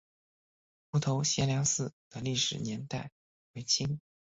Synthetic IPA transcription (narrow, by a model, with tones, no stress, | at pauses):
xu˧˥t̪ʰo˧˥ʊɕjɛ˥nljɑ˧˥ŋsɹ̩˥˩d̪̥ə˨˩li˥˩ʂɻ̩˨˩njɛ˧˥nt̪a˥˩ɪ | we˧˥ɪt͡ɕʰi˥ŋ